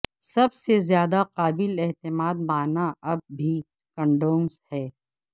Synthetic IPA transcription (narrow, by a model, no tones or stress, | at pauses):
sɐbsezjaːd̪aqaːbɪlɛɦt̪ɪmaːd̪̚baːnaɐb̚ːʱi | kə̃ɳɖoːnshɛː